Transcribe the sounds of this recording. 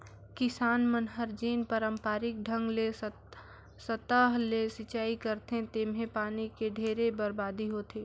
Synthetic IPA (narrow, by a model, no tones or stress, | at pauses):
kɪsaːnmənɦəɾd͡ʒiːnpəɾə̃mpaːɾɪk̚ɖʱə̃ŋɡle | sət̪əɦlesɪt͡ʃaːikəɾt̪eɦẽt̪eːmɦẽpaːnikeɖʱeːɾebəɾbaːd̪ʱiɦoːt̪eː